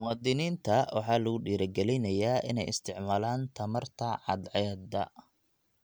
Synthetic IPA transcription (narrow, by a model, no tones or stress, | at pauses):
mʊwɑːd̪ɪniːnt̪ʰɐwɑ̰ħɑːlɐɣʊɖiːɾɐɡɛlɛnɐjaːʔɪ̰nɛjɪ̰st̪ʰɪʕmaːlaːnt̪ʰɐmɐrt̪ʰɐʕɑ̰d̪ʕɛd̪ɐ